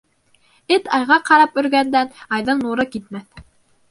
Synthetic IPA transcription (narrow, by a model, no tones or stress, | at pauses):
ɘt̪ɑjʁɑqʰɑɾɑpɵ̆ɾɡænd̪ænɑjðɤɴnuɾɤkit̪̚mæθ